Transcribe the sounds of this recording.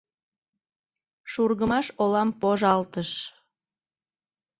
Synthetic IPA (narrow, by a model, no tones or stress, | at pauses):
ʃurɣəmɑʃolɑmpoʒɑlt̪əʃ